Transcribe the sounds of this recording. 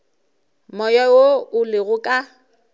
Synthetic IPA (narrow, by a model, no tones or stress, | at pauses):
mɔjɔoʊlɪɣʊkʼa